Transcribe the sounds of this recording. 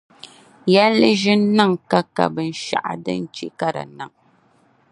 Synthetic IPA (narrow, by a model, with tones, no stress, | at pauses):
jɛ˦lːɨ˦ʒɪ˦n˦nːɨ˦˨ŋka˦ka̰˨bɨ˨n̩˨ʃa̰˨ʔa̰˦dɨ̰˦n̩˦t͡ʃe˦ka˦ɾa̰˨nɨ˨ŋ